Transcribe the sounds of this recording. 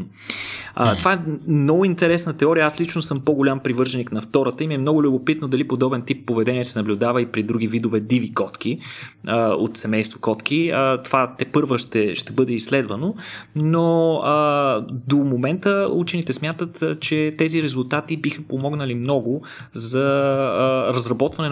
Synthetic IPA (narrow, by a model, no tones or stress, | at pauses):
ə̰t̪ovaɛmnɔɡʊint̪ɛɾɛsnət̪ɛɔɾiəaslit͡ʃnosɤmpoɡolʲampɾivɤɾʒɛniknɐft̪ɔɾət̪əimiɛmnɔɡʊlʲʊbopit̪nod̪ɐlipod̪ɔbɛnt̪ipːovɛd̪ɛniɛsɛnɐblʲʊd̪avəipɾid̪ɾuɡ̟ivid̪ʊvɛd̪ivikɔt̪kiəo̰t̪sɛmɛjst̪vokɔt̪k̟iət̪ovat̪ɛpɤɾvəʃt̪ɛʃt̪ɛbɤd̪ɛislɛd̪vənonoəd̪omomɛnt̪əut͡ʃɛnit̪ɛsmʲjat̪ət̪t͡ʃɛt̪ɛziɾɛzʊlˠt̪at̪ibixəpomɔɡnəlimnɔɡʊ | zɐ | ɾɐzɾɐbɔt̪vɐnɛ